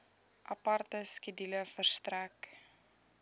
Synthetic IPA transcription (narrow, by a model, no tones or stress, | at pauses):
ʔɐpɐrtəskidiləfərstræk